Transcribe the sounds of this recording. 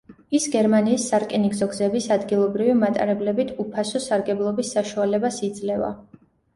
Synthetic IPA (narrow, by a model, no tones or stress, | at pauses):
isɡɛɾmaniːsːaɾkʼiniɡzɔɡzɛbisad̪ɡilˠɔbɾivimat̪ʼa̰ɾɛblɛbit̪ʰupʰasɔsaɾɡɛblˠɔbisːaʃualɛbasid̪zlɛva̰